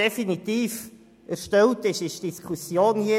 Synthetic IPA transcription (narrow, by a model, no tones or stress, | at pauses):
ɛfinit̪iːf | ʔæɾʃtɛwtɪʃɪʃd̥iskʰusjoːnhi